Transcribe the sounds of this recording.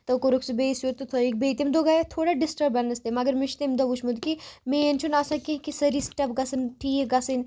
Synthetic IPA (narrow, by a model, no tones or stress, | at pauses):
t̪ɐkoɾuksibeːsjuɾt̪ut̪ʰoik̚beːt̪imd̪oɡaːjat̪ʰoːɽaɖɪsʈɐɾbɐnɐst̪emɐɡɐɾmɪʃt̪emd̪ɐʋuʃmud̪kimeːnt͡ʃʰunaːsɐkĩkisɐɾisʈɐp̚ɡɐsɨnʈʰiːɡɐsɨn